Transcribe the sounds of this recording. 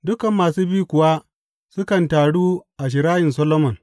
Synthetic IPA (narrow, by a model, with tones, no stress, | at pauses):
dʊ˦kɐ˨mːaː˨suː˦biː˦kʷʊ˨wa˦ | sʊ˦kɐ˨ntaː˨ɽuː˦ʔa˨ʃ̬ɪ˨ɾaː˦jɪ˨ns̬ɐ˦loː˦mɔ˨n